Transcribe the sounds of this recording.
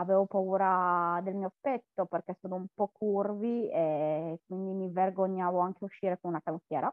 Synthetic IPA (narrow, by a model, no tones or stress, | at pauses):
avɛːvopauːɾad̪elmiːopet̪ːoperkesoːnoumpɔkʰːurviekːwind̪imiverɡoɲːaːvoaŋkeuʃːiːɾekonunakamifjɛːɾa